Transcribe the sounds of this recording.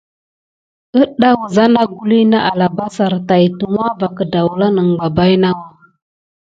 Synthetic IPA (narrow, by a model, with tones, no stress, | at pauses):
ə˦ɗa˦wu˨za˦na˦ɡu˦li˦na˦ʔa˨la˨ba˦sa˨ɾta˨ji˨tu˨ŋʷ˦a˦va˨kə˨da˨wla˦nə˨ŋ˨ɡ͡ba˨ba˦jna˦wa˦